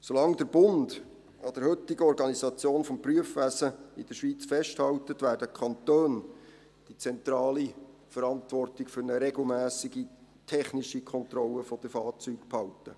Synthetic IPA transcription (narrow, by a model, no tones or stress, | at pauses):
solɑŋd̪əɾb̥ʊnd | ɑd̥̪əɾhɵtːɪɡəɔɾɡɑnizɑt͡sjoːnfɔmpryəfʋæsəɪd̥əʃʋiːt͡sfɛʃthɑwtətʋæːɾdəkʰɑntøːn | d̥it͡sɛnt̪ɾɑːli | fəɾɑntʋɔrtɪkfʏɾnəɾɛɡl̩mæːsiɡi | tʰɛχniʃikʰɔnt̪rɔlːəfɔd̥əfɑːrt͡syːkphɑwtə